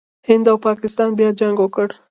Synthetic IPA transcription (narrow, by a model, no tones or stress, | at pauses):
hɪnd̪awpɑkɪst̪ɑnbjɑd͡ʒaŋɡwəkəɽ